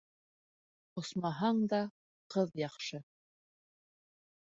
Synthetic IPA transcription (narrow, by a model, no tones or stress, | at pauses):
ŏsmɑɦɑɴd̪ɑ | qɤðjɑχʃɤ